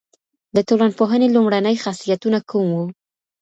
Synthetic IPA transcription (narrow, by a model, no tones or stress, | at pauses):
d̪ət̪olanpoɦənelumɽanəjxasijat̪unakumwu